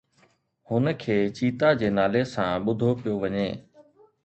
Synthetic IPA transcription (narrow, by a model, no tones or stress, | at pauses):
hʊnəkʰeːt͡ɕiːt̪ad͡ʑeːnaːlesãːɓʊd̪ʱopɪjoʋɐɲeː